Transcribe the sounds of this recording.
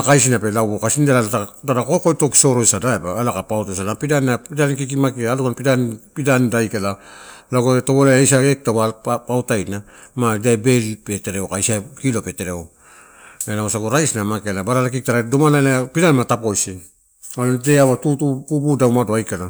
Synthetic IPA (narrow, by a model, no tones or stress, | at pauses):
akajs̬inape̞labokasindadaadadakokojto̞ki̥so̞ɾo̞jsadaebaːlakapawtojs̬alapidanapidankik̬imakiaːlukanpidanpidandajkalalaɡoetoβolajajsaek̚taβapawtajna | madaebe̞lipe̞te̞ɾeokajsakilope̞teɾeo | enaosaɡoɾajsnamakialabaɾalakik̚taɾadomalaelapidanmatapo̞jsi | alodeaβatutupupudawmadoajkala